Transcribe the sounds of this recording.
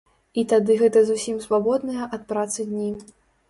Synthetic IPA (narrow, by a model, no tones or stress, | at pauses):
it̪ad̪ɨɣɛt̪ɐzusʲimsvabɔd̪nɐjɐʔɐt̪̚pɾat̪sɨd̪ʲnʲi